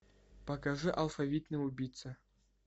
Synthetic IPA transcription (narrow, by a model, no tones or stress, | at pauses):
pɐkaʐɨʔalˠfavʲit̪nɨubʲijt̪sɨ